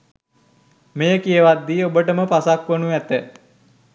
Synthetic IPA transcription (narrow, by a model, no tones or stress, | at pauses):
mejəkijəʋad̪ːiːobəʈəməpasakʋənuæt̪ə